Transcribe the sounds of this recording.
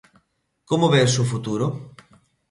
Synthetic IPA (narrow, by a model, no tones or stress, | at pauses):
komoβɛsufut̪uɾʊ